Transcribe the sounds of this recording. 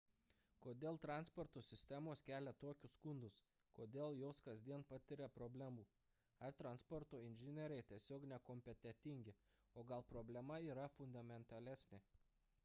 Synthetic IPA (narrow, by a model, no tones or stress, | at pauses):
koːd̪ʲeːlˠt̪ɾɑˑnspɔɾt̪oːsʲɪsʲt̪ʲæmoːskʲæːlʲɛt̪oːkʲʊsːkʊnd̪ʊs | koːd̪ʲeːlˠjoːskɐzʲd̪ʲiɛnpɑt̪ʲɪɾʲɛpɾoːbʲlʲæmuː | ɐɾt̪ɾɐnspɔɾt̪oːɪnʲʒʲɪnʲɛɾʲɛɪt̪ʲiɛsʲoːknʲɛkomʲpʲɛt̪ʲɛt̪ʲɪŋʲɡʲɪ | oːɡɐlˠpɾoːbʲlʲɛmɐiːɾɐfʊnd̪ɐmʲɛnt̪ɐlʲæsʲnʲe